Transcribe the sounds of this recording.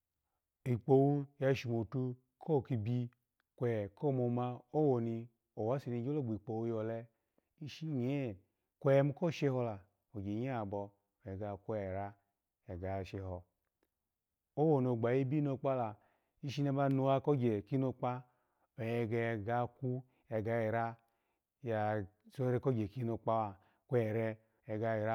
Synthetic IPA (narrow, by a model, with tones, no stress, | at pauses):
i˨k͡po˨wu˦ja˧˨ʃi˨mo˨tu˧ | kʰo˦˨ki˧bi˧ | kʷɛ˨ko˦˨mo˧ma˧o˦wo˨ni˧ | o˨wa˨˦si˨˧ni˧˦d͡ʒo˦lo˦˨ɡ͡bi˨k͡po˨wu˧jɔ˨lɛ˧ | i˦ʃi˦ɲ˨e˦ | kʷe˦ɛ˦m˦ko˦˨ʃe˧˦hɔ˧la˨ | o˨d͡ʒe˨˦a˦˨bɔ˧˨ | jɛ˨ɡa˧˨ku˦˨ɛ˨ɾa˧ | ɛ˨ɡa˨ʃe˧hɔ˧ | o˦wo˨no˨ɡ͡ba˨ji˦bi˦no˧˨k͡pa˦la˨ | i˦ʃi˦na˧˦ba˧no˧a˧kɔ˦d͡ʒe˨ki˦no˧k͡pa˦ | e˨jɛ˧ɡɛ˧˨ɡa˧˦ku˦ | ɛ˨ɡa˧˦ji˨ɾa˦ | ja˨ | so˦ɾe˧˨ko˦d͡ʒe˨ki˦no˧k͡pa˦wa˨ | ku˦ɛ˨ɾɛ˧ | ɛ˨ɡa˧i˨ɾa˦